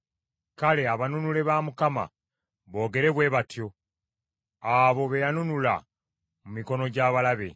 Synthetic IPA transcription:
kale̞aβanunule̞βaːmukama̰ | βo̞ːɡe̞ɾe̞βwe̞ːβatjo̞ | aβo̞βejanunula̰ | mumiko̞no̞ɟaːβalaβe̞̰

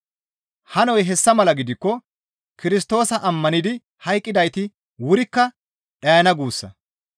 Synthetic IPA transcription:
hɐnɔjɦɛsːɐmɐlɐɡɪd̪ɪkːɔ | kɪɾɪst̪o̞ːsɐʔɐmːɐnɪd̪ɪ | hɐjkʼːɪd̪ɐjt̪ɪ | wʊɾɪkːɐ | ᶑɐjɐnɐɡuːsːɐ̰

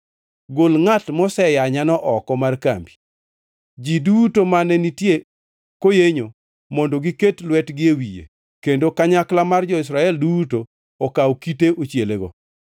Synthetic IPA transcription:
ɡolŋatmɔsɛjaɲanɔʔɔkɔmarka̰mbi | d͡ʒidutomanɛnitje | kojeɲo | mɔndoɡiketlwɛtɡɪewijḛ | kendokaɲaklamard͡ʒɔɪsɾaɛldutoː | kawkiteʔot͡ʃjeleɡɔ̰

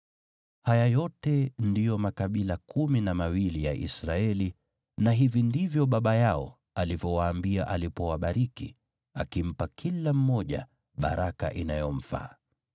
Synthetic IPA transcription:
hajajɔtɛndijɔmakaɓilakuminamawilija̰ʔḭsɾaɛli | naɦivindivjɔɓaɓajaɔ | alivjɔwaːmbiaʔalipɔwaɓaɾiki | akim̩pakʰilam̩mɔʄa̰ | ɓa̰ɾaka̰ʔinajɔm̩fa̰ː

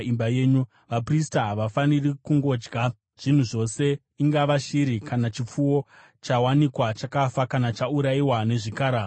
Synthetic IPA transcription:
imbaje̞ɲu | ʋapristaɦaʋafanirikuŋɡo̞ːd͡ʒɡʱa | ʐ̥in̤uʐo̞se̞ | iŋɡaʋaʃiɾikanat͡ʃip͡fuwo̞ | t͡ʃawanikwat͡ʃakafakanat͡ʃauɾaiwane̞ʐikaːɾaː

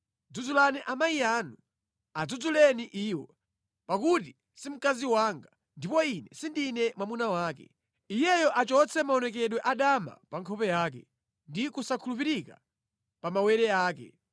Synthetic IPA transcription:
d͡zud͡zulaniʔamaijaːnu | ad͡zud͡zulɛniʔiːwɔ | pakuti | sim̩kaziwaːŋɡa | ndipɔinɛ̰sindinɛmwamunawaːkɛ̰ | ijɛjɔʔat͡ʃɔt͡sʰɛmaɔnɛk̬ɛɗwɛʔaɗama̰paŋkʰɔpɛjaːk̬ɛ̰ | ndikusakʰulup̬iɾika̰ | pamawɛɾɛaːkɛ̰

